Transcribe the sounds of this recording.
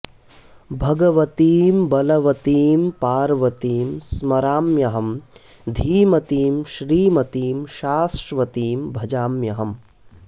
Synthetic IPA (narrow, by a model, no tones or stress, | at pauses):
bʱɐɡɐʋɐt̪iːmbɐlɐʋɐt̪iːmpaːɾʋɐt̪iːmsmɐɾaːmjɐɦɐm | d̪ʱiːmɐt̪iːmʃɾiːmɐt̪iːmʃaːsɾʋɐt̪iːmbʱɐd͡ʒaːmjɐɦɐm